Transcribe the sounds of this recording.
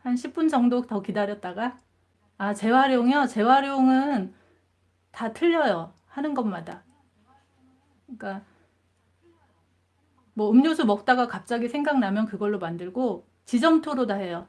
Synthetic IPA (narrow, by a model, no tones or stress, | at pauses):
hanɕʰip̚p͈und͡ʑʌŋdok̚tʌkidaɾjʌt̚t͈aɡa | at͡ɕe̞waɾjoŋjʌt͡ɕe̞waɾjoŋɯn | tatʰɯʎːʌjʌ | hanɯnɡʌnmada | k͈a | mwʌɯmɲosʰumʌk̚t͈aɡakap̚t͡ɕ͈aɡisʰeŋɡaŋnamjʌnkɯɡʌɭːomandɯɭɡo | t͡ɕid͡ʑʌŋtʰoɾodaɦe̞jʌ